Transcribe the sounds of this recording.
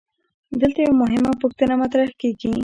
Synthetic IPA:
d̪əlt̪ajawamʊɦɪmapʊxt̪ənamat̪ɾahkeɡi

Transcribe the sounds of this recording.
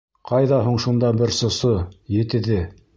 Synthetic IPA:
qʰɑjðɑɦuɴʃund̪ɑbɘɾsŏsojɘ̆t̪ɘ̆ðɘ

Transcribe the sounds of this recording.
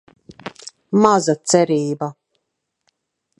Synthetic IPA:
mazat̪sɛɾiːba

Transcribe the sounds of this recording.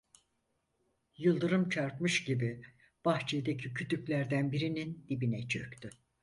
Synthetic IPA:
jɯlˠd̪ɯɾɯmt͡ʃʰaɾpmɯʃɟibi | b̥aht͡ʃʰijd̪ecʰicʰyt̪ʰyclʲæɾd̪ænbiɾinind̪̥ibinɛt͡ʃʰøct̪ʰy

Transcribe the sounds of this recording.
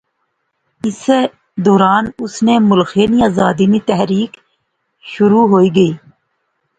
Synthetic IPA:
ɪs | d̪oːɾaːnʊsnemʊlxeniaːzaːd̪init̪ɛɦɾiːk | ʃʊɾuːɦoːiːɡəiː

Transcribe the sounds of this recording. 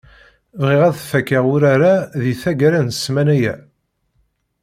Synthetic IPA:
vʁɪʁæðθfækːaʁʊɾaɾaðiθæɡæɾænəsmænæjæ̰

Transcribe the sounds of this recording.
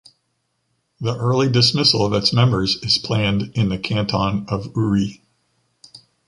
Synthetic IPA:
ðiʔɜ˞lˠidɨsmɪsl̩ˠʌvɨtsmɛ̃mbə˞zɨz̥pʰl̥æ̃ndɨ̃nðɨkʰæ̃ntʰɑ̃nʌvʉɹi

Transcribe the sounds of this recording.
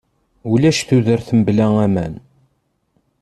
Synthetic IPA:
ulæʃθuðəɾθəmblæŋæmæn

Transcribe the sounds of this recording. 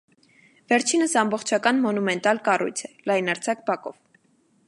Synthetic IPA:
vɛɾt͡ʃʰinəsɑmbɔχt͡ʃʰɑkɑnmɔnumɛnt̪ɑlkɑrṵjt͡sʰɛ̥lɑjnɑɾt͡sʰɑk̚bɑkɔ̰v

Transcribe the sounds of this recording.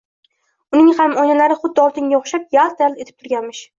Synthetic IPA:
ʊnɪŋhamɒjnalaɾɪχʊd̪ːɒlt̪ʰɪŋɡʲaoχʃap̚jalˠt̪ʰald̪e̞t̪ʰɪ̥p̚t̪ʰʊɾɡʲanmɪʃ

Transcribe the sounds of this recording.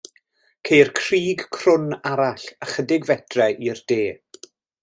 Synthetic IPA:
kʰejrkʰr̥iːɡkʰrʊnaɾaɬəχədɪɡvɛdrɛʔird̥eː

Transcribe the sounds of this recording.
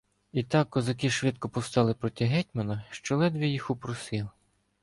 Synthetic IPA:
it̪ɑkːɔzɐkiʃʋʲɪt̪kɔpɔwst̪ɑlˠɪpɾɔtʲiɦɛt̚ʲmɐnɐʃt͡ʃɔlˠɛd̪ʋʲijixʊpɾɔsɪlˠ

